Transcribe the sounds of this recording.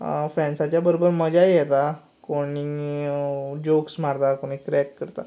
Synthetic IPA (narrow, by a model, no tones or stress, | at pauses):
fɾɛ̃ɳsat͡ɕjabəɾobəɾməd͡ʑajjet̪a | koɽi | d͡ʑoksmaɾd̪akoɽ̃iːkɾɛkːəɾt̪a̰